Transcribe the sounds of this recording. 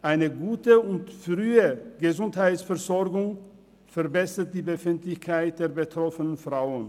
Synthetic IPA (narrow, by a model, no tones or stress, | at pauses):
ʔaɪnəɡuːtəʊntfʁyːəɡ̥əzʊnthaɪtsfɛɐzɔɐɡʊŋ | fɛɐbɛsɐt̚d̥iːbəfɪntlɪçkʰaɪt̚d̥eːɐbətʁ̥ɔfənənfʁ̥aʊən